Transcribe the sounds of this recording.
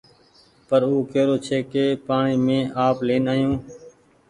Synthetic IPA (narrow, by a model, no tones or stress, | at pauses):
pəɾuːkeːɾoːt͡ʃʰeːkeːpaːɳiːmẽːʔaːpleːnaːjõː